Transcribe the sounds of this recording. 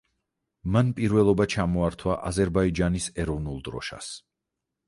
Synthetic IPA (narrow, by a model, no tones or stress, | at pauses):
manpʼiɾvɛlˠɔbat͡ʃʰamɔaɾt̪ʰwaʔazɛɾbaid͡ʒanisɛɾɔvnulˠd̪ɾɔ̰ʃa̰s